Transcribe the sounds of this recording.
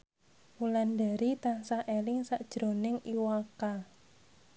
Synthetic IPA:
mulandaɾit̪ansaʔelɪŋsaʔd̥ʒ̥ɾo̤nɪŋiwaka

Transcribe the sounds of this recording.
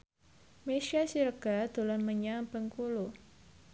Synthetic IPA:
meʃiasiɾɡad̪̥ulanməɲabəŋkulu

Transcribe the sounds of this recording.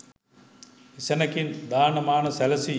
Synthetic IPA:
isɐnɐkind̪aːnɐmaːnɐsɐlɐsi

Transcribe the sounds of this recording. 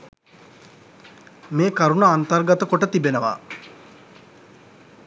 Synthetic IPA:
meːkaɾunəant̪ərɡat̪əkoʈət̪ibenəʋa̰

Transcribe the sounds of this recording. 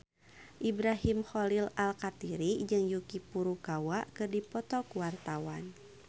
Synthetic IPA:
ʔibɾaɦimxɔlilalkat̪iɾid͡ʒɨŋjukipuɾukawaʔkɨrdipɔt̪ɔkuwart̪awan

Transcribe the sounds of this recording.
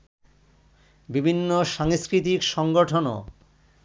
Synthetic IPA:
bibʱinːoʃaŋskɾit̪ikʃɔŋɡoʈʰono̰

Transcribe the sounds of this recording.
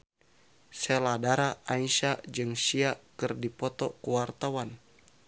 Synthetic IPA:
sɛladaɾaʔaiʃad͡ʒɨŋsiakɨrdipɔt̪ɔkuwart̪awan

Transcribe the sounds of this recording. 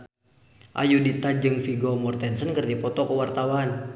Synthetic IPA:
ʔa̰judit̪ad͡ʒɨŋfiɡɔmɔrt̪ɛnsənkərd͡ʒapɔt̪ɔkəwart̪awan

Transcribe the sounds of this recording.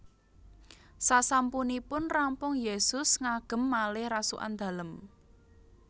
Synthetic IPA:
sasampunipʊnrampʊŋjesʊsŋaɡ̥ə̤mːalɪhrasuʔa̰nd̪̥a̤ləm

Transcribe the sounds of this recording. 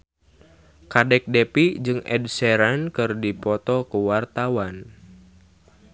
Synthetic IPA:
kadɛk̚dɛpid͡ʒɨŋʔɛ̰d̚sɛɾankɨrdipɔt̪ɔkəwart̪awan

